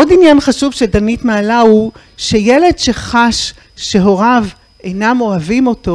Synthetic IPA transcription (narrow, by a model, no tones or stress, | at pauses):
ʔodinjanχaʃuvʃedanitmaːlahu | ʃejele̞dʃe̞χaʃː | e̞ɦo̞ʁav | ejnamo̞avimo̞to